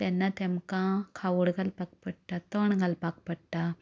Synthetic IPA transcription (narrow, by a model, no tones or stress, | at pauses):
t̪ɛnːat̪emkãkʰauɽɡʱalpak̚pəɽʈ̪at̪ɔɳɡʱalpak̚pəɽʈ̪a